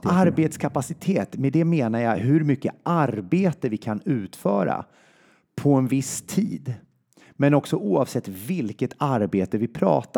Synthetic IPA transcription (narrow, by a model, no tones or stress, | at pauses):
aɾbeːt̪skʰapasɪt̪ʰeːt̪med̪ɛmeːnajaɦɵɾmʏkːəʔaɾbeːt̪əvɪkʰanʉ̟ːt̪fœːɾa̰ | pʰɔɛnvɪst̪ʰiːd̪ | mɛnɔksɔʔuːɑvsɛt̪ːvɪlkət̪aɾbeːt̪əvɪpʰɾɑ̰ːt̪a